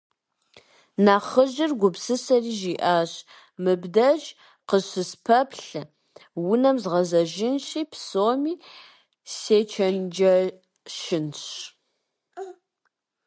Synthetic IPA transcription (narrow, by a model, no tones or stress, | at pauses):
naːχəʒɪrɡʷʊpsɨsɐriːʒiːʔaːɕ | mɨbdɐʒ | qəɕɨspʰɐpɬ | wʊnɐmzʁɐzɐʒɪnɕiːpʰsoːmiː | seːt͡ʃʰɐnd͡ʒɐ | ʃɪnɕ